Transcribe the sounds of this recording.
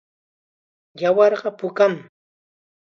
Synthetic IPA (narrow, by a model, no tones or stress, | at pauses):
jawɑɾɢɑpʊkam